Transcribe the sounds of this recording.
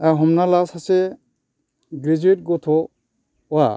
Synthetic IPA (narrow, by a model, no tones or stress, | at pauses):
aɦɔmnalasasɛ | ɡɾid͡ʒuit̚ɡɔt̪ʰɔ | wa